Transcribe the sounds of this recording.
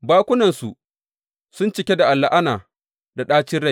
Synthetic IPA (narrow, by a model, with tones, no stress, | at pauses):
baː˦kʷʊ˦nɐ˨nsu˨ | sʊ˦nt͡ʃɪ˨kʲe˦da˨ʔa˨lːa˨ʔa˦naː˨ | da˨ɗaː˦t͡ʃɪ˦ɽa˦j